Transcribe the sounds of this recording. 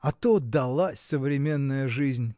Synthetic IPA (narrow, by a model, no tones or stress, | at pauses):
ɐt̪od̪ɐlˠasʲəvɾʲɪmʲe̞nːəjəʐɨzʲnʲ